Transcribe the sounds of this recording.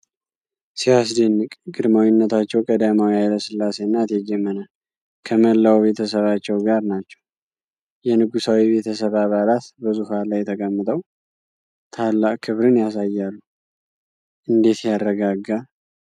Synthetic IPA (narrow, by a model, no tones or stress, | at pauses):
sijas̬d̪ənːɨkʼɡɨd̪mawɪnːət̪ʰat͡ʃːɛwkʼəd̪amawjaləsɨlːase̞nːat̪jɛd͡ʒɛmːənə | kʰəməlːawβe̞t̪ʰəsəβat͡ʃːɛwɡaɾnat͡ʃːɛw | jɛnɨɡusawiβe̞t̪ʰəs̬əβaβalat̪bəzuhalajɛt̪ʰəkʼəmːɨt̪ʼəw | t̪ʰalːaʔʼkʰɨβɾɨnjasajːalːu | ʔɨnd̪e̞t̪jarːəɡaɡːa